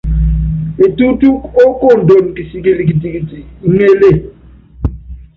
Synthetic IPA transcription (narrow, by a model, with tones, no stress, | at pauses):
e˨tu˦tu˦ko˦ko˦˨n˨do˨n˨ki˨si˦k̬e˦li˦˨k̬i˨ti˨ki˨ti˨˦ŋe˦le˦˨